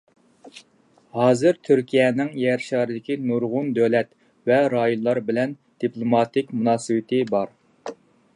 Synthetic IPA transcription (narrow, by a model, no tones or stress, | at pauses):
hɑːzɨɾt̪ʰyɾkʲʰijɛːnɪŋjɛɾʃɑːɾɨd̪ɪkʲinuɾʁʊnd̪ølɛt̪ | vɛɾɑːjonlˠɑɾbɪlɛn | d̪̥iplˠomɑːt̪ɪkʲmunɑːsɨwɪt̪ʰɪbɑɾ